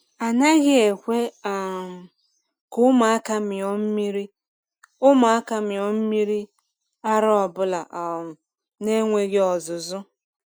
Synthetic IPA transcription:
a˨na˦ɣɪ˦e˨kʷe˦a˨m̩˨ | kʊ˦ma˨a˦ka˦mɪ˨ɔ˨m̩˦mi˦ɾi˦ | ʊ˦ma˨a˦ka˦mɪ˨ɔ˨m̩˦mi˦ɾi˦ | a˦ɾɔ˨bʊ˦la˨ʔa˨ | ne˦ŋʷe˦ɣɪ˦ɔ˨zʊ˨zʊ˦

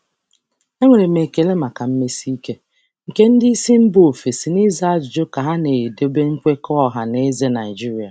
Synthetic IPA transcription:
e˦ŋʷe˨ɾe˨me˨ke˨le˦ma˨ka˨m̩˦me˦si˦i˦ke˦ | ŋ̩˨ke˦n̩˦dɪ˦i˦si˦m̩˦bo˨fe˨si˨ni˦za˦a˦d͡ʒʊ˨d͡ʒʊ˦ka˨ɦa˦ne˨do˦be˦ŋ̩˦kʷe˦kɔ˦˨ɦa˨ne˦ze˦na˨ɪ˨d͡ʒi˦ɾi˨a˨

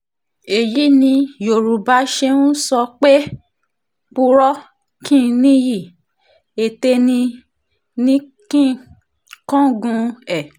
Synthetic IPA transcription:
e˨ji˨˦nĩ˧jo˨ɾu˨ba˨˦ʃe˧nũ˦sɔ˧k͡pe˦ | k͡pu˧ɾɔ˦ | kʰĩ˦˨nĩ˦ji˦˨ | e˨te˧nĩ˧ | nĩ˦ | kĩ˦˨ | kɔ̃˦ɡũ˧ɛ˦˨

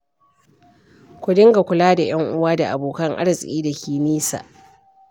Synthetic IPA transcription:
kʷʊ˨dɪ˦ŋɡa˨kʷʊ˨laː˦da˨j̰ɐ˦ŋʔʊ˦waː˦da˨ʔa˨boː˨kɐ˦ŋʔa̰˦ɽɪ˨sʼʔiː˦da˨kʲiː˨niː˦sa̰˨ʔ

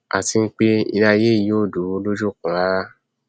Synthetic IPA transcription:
a̰˨ti˧ŋ̩˦k͡pe˧ḭ˧ɾa˧je˦˨jo˦˨du˨˦lo˦d͡ʒo˦˨kũ˨a˦

